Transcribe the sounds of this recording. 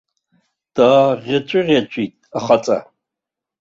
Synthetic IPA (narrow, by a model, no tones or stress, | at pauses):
d̥aʁʲat͡ʃʷʼʊʁʲat͡ʃʷʼitʼaχat͡sʼa̰